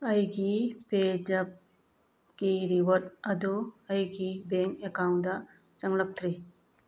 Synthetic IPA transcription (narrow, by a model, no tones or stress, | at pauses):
əjɡiped͡ʒɐp̚ | ɡ̥iɾiwɔt̚ɐd̪uɐjɡibeŋkekawnda | t͡ʃɐŋlɐk̚t̪ʰɾi